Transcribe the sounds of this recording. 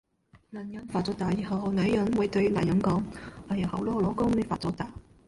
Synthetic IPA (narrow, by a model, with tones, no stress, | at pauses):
nɐ˨˩njɐ˨˥nfaː˨t̚t͡sɔː˨˧˥t̪aː˨˩jiː˨˩hɐ˨˧wna˨˩˥jɐ˨˥nwʊ˨˥jt̪ɵ˧ɥla̰˨˩jɐ˨˦nkɔː˨˥ŋa˨jɐ˨˩whɐ˨˩wlɔː˥ɔ˨˧lɔː˨˥kʊ˥ŋne˨˧˥faː˨tt͡sɔ˨˥t̪aː˨˧